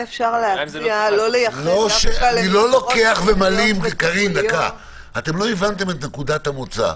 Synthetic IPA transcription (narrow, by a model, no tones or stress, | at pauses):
efʃaʁleaialolejaloʃeilo̞lo̞ke̞aχvemalimʁikaʁimd̪aka | ate̞mlo̞ivant̪̬e̞met̪nekud̪at̪hamut͡sa̰